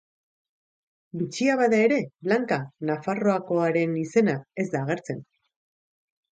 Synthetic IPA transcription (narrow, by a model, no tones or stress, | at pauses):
bit͡ʃiaβaðae̞ɾe̞βlaŋkanafaro̞ako̞aɾe̞nise̞nae̞zd̪aːɣ̞e̞ɾt͡se̞n